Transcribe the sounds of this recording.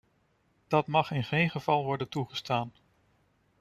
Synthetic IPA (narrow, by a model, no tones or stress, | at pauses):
d̥ɑtmɑχɪnχejnχəv̥ɑlˠʋɔɹdəntuχəstaːn